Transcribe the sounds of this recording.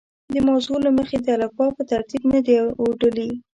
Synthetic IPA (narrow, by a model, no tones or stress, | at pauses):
d̪əmawzolaməxed̪əalakɑpət̪aɾt̪ibnəd̪eoɖəli